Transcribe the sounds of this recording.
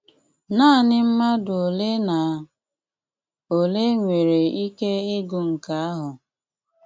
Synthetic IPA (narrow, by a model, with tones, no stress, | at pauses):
na˦˨nɪ˦m̩˦ma˦dʊ˨o˨le˦na˨ | o˨le˦ŋʷe˨ɾe˨i˦ke˦ɪ˦ɡʊ˨ŋ̩˨ka˦a˦ɦʊ˨